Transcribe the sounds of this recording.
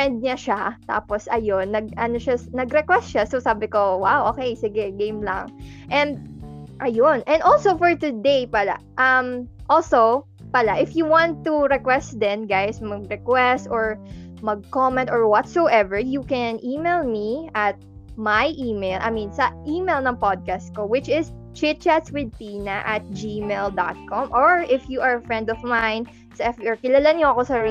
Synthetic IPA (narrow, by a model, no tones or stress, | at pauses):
fɛ̃nd̪̚ɲaʃat̪a̰ːpɔsʔɐjonːɐɡ̚ʔɐnoʃanɐɡɾɛkwɛst̪ʃasosaːbɪkowawʔoːkejsɪɡɛɡẽjmlɐ̰ŋʔɛ̃nd̪̚ʔɐjonʔɛ̃nd̪olsowfɔɹt̪ʊd̪ejpala̰ʔɐmʔolso | palaʔɪfjuwɑ̃nt̪ːuɾɛkwɛst̪d̪ɛnɡajsmɐɡ̚ɾɛkwɛst̪ɔɹmɐɡ̚kɔmɛ̃nt̪ɔɹwɔt̪sowʔɛvɛɹjukɛnʔiːmelmiʔɐt̪̚ | majʔiːmejlʔɐ̰jminsɐʔiːmelnɐŋpɔd̪̚kast̪̚kowɪt͡ʃɪst͡ʃɪt̪̚t͡ʃat̪swɪd̪̚pinɐʔɐt̪̚d͡ʒimeld̪at̪̚kɔmʔɔɹʔɪfjuʔɐɹfɹɛ̃nd̪ɔvmãjn | sɐɛfɔɹkɪlɐlaɲoɐkosɐ